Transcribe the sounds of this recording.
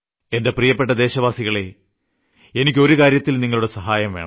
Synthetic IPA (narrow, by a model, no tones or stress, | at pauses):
e̞nde̞prijɐpːeʈːɐd̪e̞ːɕɐʋaːsiɣɐɭe̞ | enikʲːo̞ɾukaːɾjɐt̪ːilniŋːɐɭuɽesɐɦaːjɐmʋe̞ːɳɐ